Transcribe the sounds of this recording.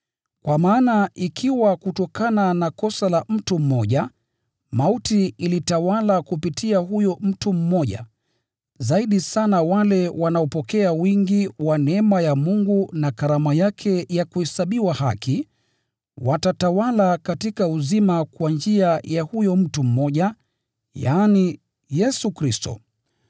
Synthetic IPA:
kwamaːnaʔikʰiwakutɔkananakɔsalam̩tum̩mɔʄa | mautiilitawalakupitʰiahujɔm̩tum̩mɔʄa̰ | zaiɗisanawalɛwanaɔpɔkɛawiŋɡiwanɛɛmajamuŋɡunakaɾamajakʰɛjakuhɛsaɓiwahaki | watatawalakatikauzimakwand͡ʒiajahujɔm̩tum̩mɔʄa | jaːni | jɛsukɾistɔ̰

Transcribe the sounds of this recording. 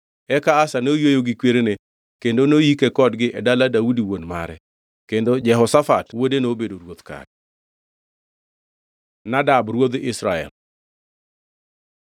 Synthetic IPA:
ɛkaːsanojojoɡɪkweɾene | kendonojikekɔdɡɪʔɛdaladaudiwonma̰ɾɛ̰ | kendod͡ʒɛɦɔsafa̰twodenobedoɾwot̪ka̰d̚ | nadabɾwod̪ɪsɾaɛ̰l

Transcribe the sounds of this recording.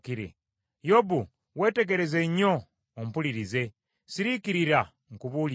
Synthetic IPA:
kiɾḛ | jobu | we̞ːte̞ɡeɾe̞ze̞ɲoː | m̩puliɾize̞ | siɾikiɾiɾa | ŋkuβul

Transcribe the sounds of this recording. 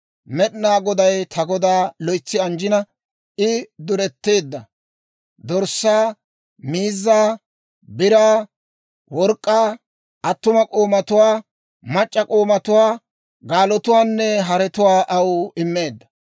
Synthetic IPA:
mɛɗnaːɡɔd̪ɐjt̪ʰɐɡɔd̪aːlɔjt͡sːɪɐnd͡ʒɪnɐ | ʔɪd̪ʊɾɛt̪ːe̞ːd̪ːɐ | d̪ɔɾsːaː | miːzːaː | bɪɾaː | wɔɾkʼːaː | ʔɐt̪ːʊmɐkʼoːmɐt̪ʊwaː | mɐt͡ʃʼːɐkʼoːmɐt̪ʊwaː | ɡaːlɔt̪ʊwaːnːɛɦɐɾɛt̪ʊwaːʔɐwɪmːe̞ːd̪ːɐ̥

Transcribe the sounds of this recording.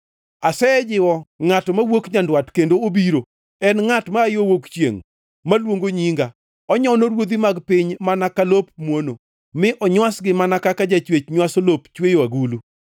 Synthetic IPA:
asɛd͡ʒɪwɔŋatɔmawokɲandwatkendoobiɾo | ɛnŋatmaːjowokt͡ʃjḛŋ | malwoŋɡoɲiŋɡa | ɔɲɔnoɾwod̪imaɡpɪɲmanakalopmwono | mɪʔɔɲwasɡɪmanakakad͡ʒat͡ʃwet͡ʃɲwasolopt͡ʃwejwaɡulu

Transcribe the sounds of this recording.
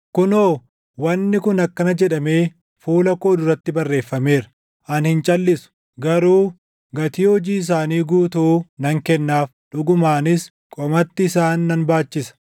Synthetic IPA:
kʊnoː | wɐnːɪkʊnɐkːɐnɐd͡ʒɛᶑɐme̞ː | fuːlɐkoːd̪ʊɾɐt̪ːɪbɐrːe̞ːfːɐme̞ːɾɐ | ʔɐnhɪnt͡ʃʼɐlːɪsʊ̥ | ɡɐɾuː | ɡɐt̪iːhɔd͡ʒiːɪs̬aːniːɡuːt̪uːnɐŋkɛnːaːf | ᶑʊɡʊmaːnɪs | kʼɔmɐt̪ːɪːsaːnːɐnbaːt͡ʃːɪsɐ̥

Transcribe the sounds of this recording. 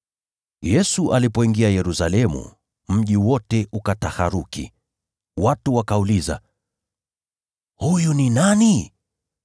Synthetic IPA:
jɛsuʔalipɔiŋɡiajɛɾusalɛmṵ | m̩ʄiwɔtɛʔukatahaɾukḭ | watuwakauliza̰ | hujuninani

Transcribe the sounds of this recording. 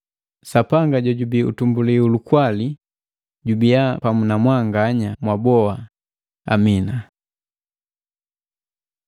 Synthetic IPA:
sapaŋɡaɟɔɟubiṵtumbuliulukwali | ɟubiapamunamwaŋɡaɲamwabɔa | a̰mina

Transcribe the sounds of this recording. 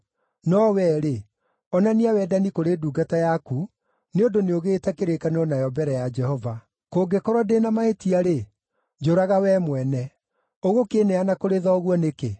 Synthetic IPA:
nɔwɛːɾe | ɔnaniawɛdanikoɾeːduːɡatajaku | neondoneoɣeːtɛkeɾekanɔnajɔbɛɾɛjad͡ʒɛhɔva | koːɡekɔɾwɔdenamaetiaɾe | d͡ʒoɾaɣawɛmwɛnɛ | oɣokeːnɛanakoɾeðɔːɣwɔneke

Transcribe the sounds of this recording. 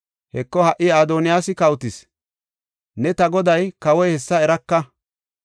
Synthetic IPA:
hɛkːɔhɐʔɪaːd̪oːnɪjaːsɪkɐwt̪ɪs | nɛt̪ɐɡɔd̪ɐjkɐwɔjhɛsːɐɛɾɐkːɐ

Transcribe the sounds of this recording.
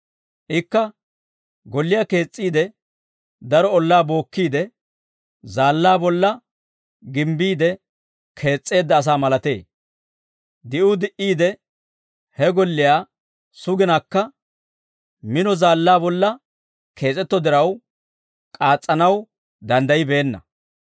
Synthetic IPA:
ʔɪkːɐ | ɡɔlːɪjaːke̞ːt͡sʼːiːd̪ɛ | d̪ɐɾɔɔlːaːbo̞ːkːiːd̪ɛ | zaːlːaːbɔlːɐ | ɡɪmbiːd̪ɛ | kʰe̞ːt͡sʼːe̞ːd̪ːɐːs̬aːmɐlɐt̪e̞̰ː | d̪ɪʔʊd̪ɪʔiːd̪ɛ | hɛɡɔlːɪjaː | sʊɡɪnakːɐ | mɪnɔzaːlːaːbɔlːɐ | kʰe̞ːt͡sʼɛt̪ːɔd̪ɪɾɐw | kʼaːt͡sʼːɐnɐw | d̪ɐnd̪ɐjɪbe̞ːnːɐ̰

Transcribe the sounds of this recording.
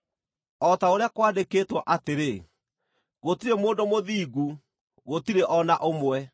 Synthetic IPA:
ɔtaoɾeakwaːdekeːtwɔʔateɾe | ɣotiɾemoːndomoðiːɡu | ɣotiɾeʔɔnaʔomwɛ

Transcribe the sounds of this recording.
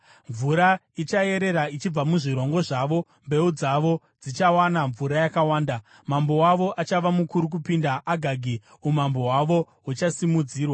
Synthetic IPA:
ɱvuɾa | it͡ʃaje̞ɾe̞ɾait͡ʃib͡vamuʐiɾo̞ŋɡo̞ʐaʋo̞ | mbe̞ud͡zaʋo̞ | d͡zit͡ʃawanaɱvuɾajakawaːnda | mambo̞waʋo̞ʔat͡ʃaʋamukuɾuk̬upindaʔːɡʱaɡʱi | umambo̞waʋo̞ | wut͡ʃasimud͡ziːrwa

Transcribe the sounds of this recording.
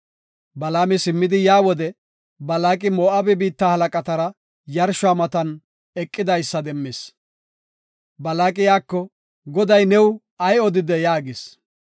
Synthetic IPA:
bɐlaːmɪsɪmːɪd̪ɪjaːwɔd̪ɛ | bɐlaːkʼɪmoːʔɐbɛbiːt̪ːaːhɐlɐkʼɐt̪ɐɾɐ | jɐɾʃʊaːmɐt̪ɐn | ɛkʼːɪd̪ɐjsːɐd̪ɛmːɪs | bɐlaːkʼɪjaːkːɔ | ɡɔd̪ɐjnɛw | ɐjɔd̪ɪd̪ɛjaːɡɪs

